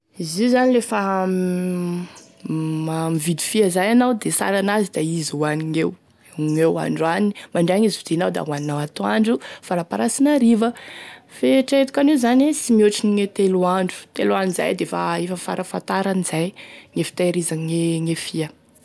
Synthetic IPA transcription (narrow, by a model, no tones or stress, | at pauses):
izizanilefə | mamivid̪i̥fiəzajanawd̪esa̰ɾanazid̪aizwaniŋew | ŋewa̰ɳɖ͡ʐanimaɳɖ͡ʐeaŋizivid̪inawd̪a̰waninawat̪oaɳɖ͡ʐufaɾapaɾasinaɾivəfeʈ͡ʂet̪u̥kʲanezanisimioʈ͡ʂiniŋet̪eluaɳɖ͡ʐu̥t̪elanza̰jd̪efa̰efəfa̰ɾafant̪aɾanizajŋefi̥t̪aɾizaŋeŋefiə